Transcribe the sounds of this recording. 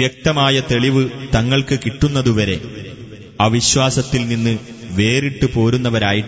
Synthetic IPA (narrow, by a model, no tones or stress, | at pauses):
jek̚t̪ɐmaːjɐt̪eɭiʋɨt̪ɐŋːɐɭkɨkiʈːunːɐðuʋɐɾe̞ | aʋiɕwaːsɐt̪ːilninːɨ | ʋe̞ːriʈːɨpo̞ːɾunːɐʋɐɾaːjiʈː